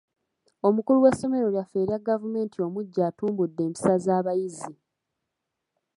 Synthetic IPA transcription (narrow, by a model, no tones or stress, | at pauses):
o̞mukuluwe̞sːo̞me̞ɾo̞ljafe̞ːɾiaɡavume̞ːntʰio̞muɟːaːtuːmbudːe̞ːmpi̥sazaːβajizi